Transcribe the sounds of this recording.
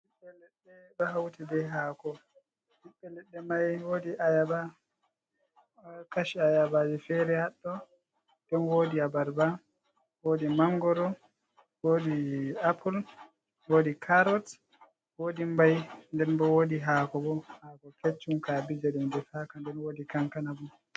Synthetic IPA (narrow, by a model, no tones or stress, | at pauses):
biɓːɛlɛɗːɛɗɔɦawtidɛɦaːkɔ | biɓːɛlɛɗːɛmajwodiʔajaba | kaʃiajabad͡ʒifɛɾɛhaɗːɔ | ɗɛnwoːdiabaɾba | woːdimaŋɡɔɾɔ | woːdiapʰul | woːdikʰaɾɔt | woːdimbajndɛnbɔwodiɦaːkɔbɔhaːkɔket͡ʃːumkabid͡ʒadumdɛfakandɛnwoːdikaŋkanabu